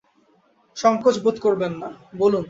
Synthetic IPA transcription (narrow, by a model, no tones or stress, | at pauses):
ʃɔŋkot͡ɕbot̪koɾbenːabolun